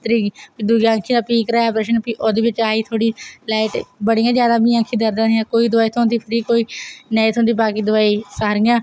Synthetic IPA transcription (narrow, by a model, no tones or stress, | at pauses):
t̪ɾiːid̪uɡãkʰiːd̪aːpiːkɾaːpɾeːʃənpiːʔoːd̪eːʋɪt͡ʃaːiːt̪ʰoːɽiːlɛːɪʈbəɽijãːd͡ʒjaːd̪aːbĩːãːkʰiːd̪əɾd̪ãːijãːkoːiːd̪ʊaːiːt̪ʰõːnd̪iːpʰəɾiːkoːiːnəiːt̪ʰõːnd̪iːbaːkiːd̪ʊaːiːsaːɾɪjãː